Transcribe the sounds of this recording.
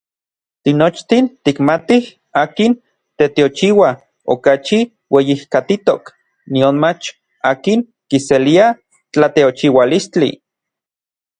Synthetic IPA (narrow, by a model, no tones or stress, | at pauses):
t̪inot͡ʃt̪int̪ikmat̪ih | aːkin | t̪et̪eot͡ʃiwa | o̰kat͡ʃi | wejihkat̪it̪ok | nionmat͡ʃ | aːkiŋ | kiselia | t͡ɬat̪eot͡ʃiwalist͡ɬḭ